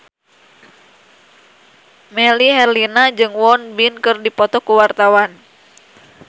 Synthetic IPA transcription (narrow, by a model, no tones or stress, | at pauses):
mɛliɦɛrlinad͡ʒɨŋwɔnbinkɨrdipɔt̪ɔkuwart̪awan